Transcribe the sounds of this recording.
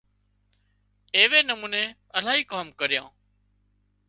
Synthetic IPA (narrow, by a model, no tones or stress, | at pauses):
eːʋeːnəmũːneː | əlaːɦiːkaːmkəɾɪjã̰ː